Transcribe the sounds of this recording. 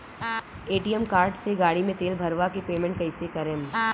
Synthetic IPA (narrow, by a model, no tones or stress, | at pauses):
eːʈiəmkaːɾɖseɡaːɽimẽt̪eːlbʱɐɾʋakepeːmẽɳʈ̚kɐɪsekɐɾẽːm